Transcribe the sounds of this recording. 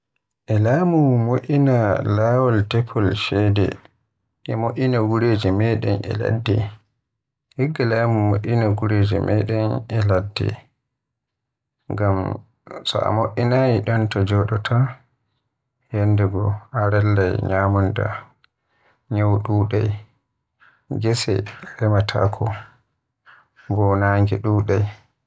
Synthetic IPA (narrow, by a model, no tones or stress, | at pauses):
ʔɛlaːmumoʔinalaːwɔltɛpʰːɔlʃɛdɛ̰ | ʔɛmoʔinaɡuɾeːd͡ʒɛmɛɗɛ̰nʔɛ̰la̰dːɛ̰ | hiɡːalaːmumoʔinaɡuɾeːd͡ʒɛ̰mɛɗɛnʔɛladːɛ̰ | ŋɡam | sɔ̰ʔa̰moʔːinajiɗɔntɔd͡ʒɔɗɔtʰa | hɛndɛɡɔaɾɛlːajɲaːmunda̰ | ɲawɗuːɗaj | ɡɛsɛ̰ɾɛmatʰa̰kʰɔ | bɔnaːŋɡɛɗuːɗaj